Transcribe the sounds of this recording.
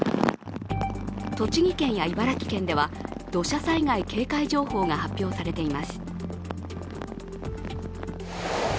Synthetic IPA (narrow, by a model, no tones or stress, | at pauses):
t̪o̞t͡ɕiɡʲikẽ̞ɰ̃jaibaɾakʲi̥kẽ̞nd̪e̞βad̪̥o̞ɕasaiɡaike̞ːkaiʑo̞ːho̞ːŋahapʲjo̞ːsaɾe̞t̪e̞imaɕɨ̥